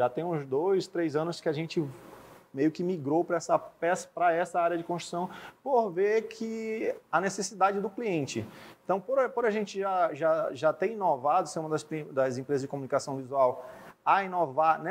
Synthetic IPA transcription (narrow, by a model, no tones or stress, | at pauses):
ʒat̪ẽj̃ũzd̪ojst̪ɾejzɐ̃nʊskɪaʒẽnt͡ʃɪmejʊkɪmiɡɾowpɾɐɛsɐpɛsɐ̥pɾɐɛsɐaɾjɐd͡ʒɪkõst̪ɾu̥sɐ̃w̃poɾveɾkʰɪɐnesesid̪ad͡ʒɪd̪ʊkliẽnt͡ʃɪẽt̪ɐ̃w̃poɾpoɾaʒẽnt͡ʃɪʒaʒaʒat̪ẽj̃ĩnovad̪ʊseɾũmɐd̪ɐspɾid̪ɐzẽmpɾezɐzd͡ʒɪkõmunikasɐ̃w̃vizuawɐĩnovaɾnɛ